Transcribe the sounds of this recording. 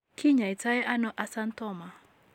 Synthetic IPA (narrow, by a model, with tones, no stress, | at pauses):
kʰi˦ɲa˨i˨ta˦jɛ˦ʔa˦nɔ˦ʔa˦sa˦ntɔ˦˨ma˨